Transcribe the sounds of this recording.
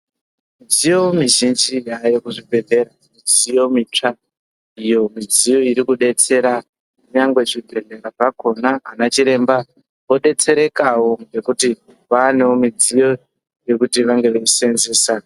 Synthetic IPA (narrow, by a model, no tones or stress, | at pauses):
mid͡zijo̞miʒind͡ʒijajokuʐibʱe̞ɮe̞ɾamid͡zijo̞mit͡ʂa | ijo̞mid͡zijo̞iɾikuɗe̞t͡se̞ɾa | uɲaŋɡwe̞t͡ʂibʱe̞ɮe̞ɾapako̞naanat͡ʃiɾe̞mba | ʋo̞ɗe̞t͡se̞ɾe̞kawoŋɡe̞kuti | ʋane̞womid͡zijo̞ | je̞kutiʋaŋɡe̞ʋeisenzeːsa